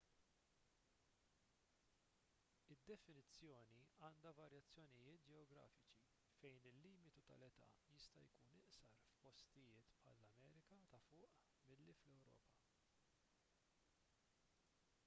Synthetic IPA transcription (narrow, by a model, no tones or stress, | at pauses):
ɪd̪ːɛfɪnɪt͡sːjɔːniɐːnd̪ɐvɐɾjɐt͡sːjɔnɪjɪːt̪̚d͡ʒɛɔɡɾɐ̰ːfɪt͡ʃi | fɛjnɪlːiːmɪt̪ut̪ɐ̰lɛt̪ɐ̰jɪst̪ɐ̰jkuːnɪʔsɐɾfpɔst̪ɪjɪːt̪pħɐ̰lːɐmɛːɾɪkɐt̪ɐfʊːʔ | mɪlːiflɛwɾɔ̰ːpɐ